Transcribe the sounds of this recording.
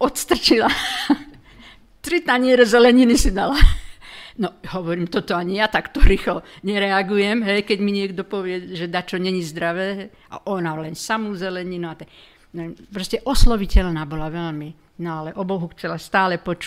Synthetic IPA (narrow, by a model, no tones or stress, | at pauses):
ɔt̪st̪r̩t͡ʃila | t̪ɾit̪aɲɪɛɾɛzɛlɛɲinisid̪ala | nɔɦɔʋɔɾiːmt̪ɔt̪ɔaɲijat̪akt̪ɔɾiːxlɔɲɛɾɛaɡujɛmɦɛjkɛɟmiɲɪɛɡd̪ɔpɔʋɪɛʒɛd̪at͡ʃɔɲɛɲizd̪ɾaʋɛː | ʔa̰ʔɔnalɛnsamuzɛlɛɲinuat̪ɛ | nɛɛmpɾɔscɛʔɔslɔʋicɛlnaːbɔlaʋɛlmi | nɔalɛʔɔbɔɦuxt͡sɛlast̪aːlɛpɔt͡ʃː